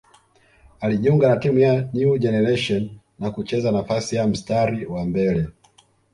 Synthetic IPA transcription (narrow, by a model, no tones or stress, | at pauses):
aliʄiuŋɡanatimujanud͡ʒɛnɛɾɛʃɔn | nakut͡ʃɛzanafasijam̩staɾiwambɛlɛ